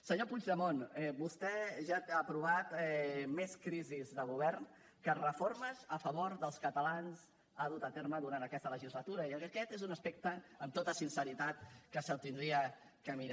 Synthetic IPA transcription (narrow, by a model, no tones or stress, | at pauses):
səɲopud͡ʒðəmonɛbust̪ɛʒaapɾuβat̪ɛmeskɾizizðəɣ̞uβ̞ɛrn | kərəfoɾməzəfəβoɾðəlˠskət̪əlanz | aðut̪ət̪eɾməðuɾant̪əkɛst̪ələʒizlət̪uɾəiəəkɛt̪ezunəspek̚t̪əəmt̪ot̪əsinsəɾit̪at̪kəsət̪ind̪ɾiə | kəmiɾa